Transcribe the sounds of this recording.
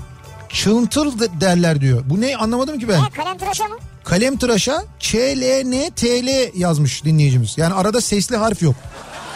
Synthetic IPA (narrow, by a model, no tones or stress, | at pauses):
t͡ʃʰɯnt̪ʰɯlˠd̪ælʲæɾd̪ijo̞bunɛanlˠamad̪ɯmcibæn | kʰalʲɛmt̪ɯɾaʃat͡ʃʰeːlʲenɛt̪ʰeːlʲɛjazmɯʃd̪inlʲejid͡ʒimiz̥jaːniaɾad̪asɛslʲiɦaɾfjo̞k